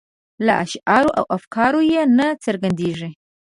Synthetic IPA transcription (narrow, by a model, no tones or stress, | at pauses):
la̰ʔa̰ʃʔaːɾuʔa̰wʔafkʰaːɾujɛnɐt͡sʰɐrɡandeːʐi